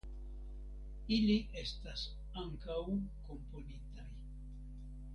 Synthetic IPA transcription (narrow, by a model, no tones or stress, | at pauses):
iliʔe̞stas | aŋkawko̞mpo̞nitaj